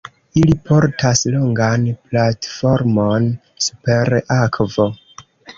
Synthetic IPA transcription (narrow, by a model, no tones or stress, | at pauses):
ilipʰo̞ɾtʰasloŋɡanplatfo̞ɾmo̞n | su̥pe̞ɾakvo̞